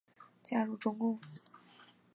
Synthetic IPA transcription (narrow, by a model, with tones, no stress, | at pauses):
t͡ɕja˥˧ɻu˥˩ʈ͡ʂʊ˥ŋkʊ˥˩ŋ